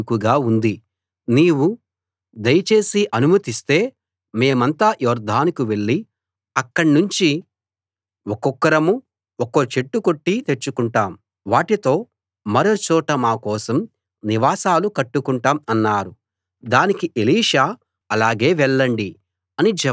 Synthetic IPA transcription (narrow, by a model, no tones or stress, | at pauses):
kuɡaːund̪i | niːwu | d̪ɐjɐt͡ʃe̞ːsiʔɐnumɐt̪ist̪e̞ː | me̞ːmɐnt̪aːjɔːɾd̪ʱaːnikuʋe̞ɭːi | ɐkːɐɽnuɲt͡ʃi | okɔkːɐɾɐmu | okot͡ʃe̞ʈːuko̞ʈːit̪e̞t͡ʃːukuɳʈaːm | ʋaːʈit̪o̞ː | mɐɾoːt͡ʃɔːʈɐmaːkɔːsɐm | niʋaːsaːlukɐʈːukuɳʈaːmɐnːaːɾu | d̪aːnikiʔeliːʂaː | ɐlaːɡe̞ːʋɛɭːɐɳɖi | ɐnid͡ʒɛ